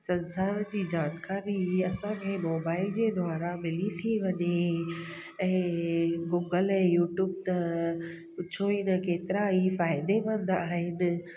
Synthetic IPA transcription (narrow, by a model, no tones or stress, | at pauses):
sɐ̃nsaːɾd͡ʑiːd͡ʑaːnkaːɾiɐsãkʰɛ̃ːmoːbaːɪld͡ʑeːd̪ʱʊaːɾamɪlit̪ʰiʋɐɲe | ɛ̃ːɡuːɡəlɛ̃ːjuːʈjuːb̚t̪ɐ | pʊt͡ɕʰoinɐkeːt̪ɪɾaɦifaːɪd̪eʋɐ̃nd̪aːɦɪnɪ̆